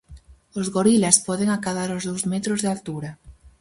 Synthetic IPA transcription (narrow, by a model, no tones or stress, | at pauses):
ozɣoɾilaspɔðeŋakaðaɾozðowzmɛt̪ɾozðɪalt̪uɾa